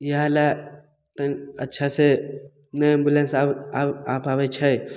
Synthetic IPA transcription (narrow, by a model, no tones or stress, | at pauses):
jəɦãla | t̪ənətːʃʰase | nəmbjulensaapabət͡ʃʰəj